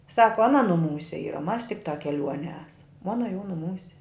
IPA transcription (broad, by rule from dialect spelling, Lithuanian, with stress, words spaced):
ˈsɑːkoː ɐˈnɐ nʊˈmuːsʲɛ ˈiːrɐ ˈmɐs tʲɪkˈtɑː kʲɛˈlʲuɔnʲiɛ ˈæːsɐm ˈoːnɐ jɛʊ nʊˈmuːsʲɛ